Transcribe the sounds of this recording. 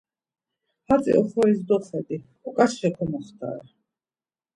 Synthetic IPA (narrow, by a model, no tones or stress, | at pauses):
hat̪t͡s̪ʼḭʔɔχɔɾizd̪ɔχɛd̪i | ɔkʼasʃɛkʰɔmɔχt̪ʰa̰ɾɛ